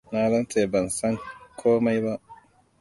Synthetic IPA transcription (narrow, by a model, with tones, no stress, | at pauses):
naː˦zɐ˦nt͡ʃeː˨bɐ˨nsɐ˦ŋkʰoː˦ma˦jba˦ʔ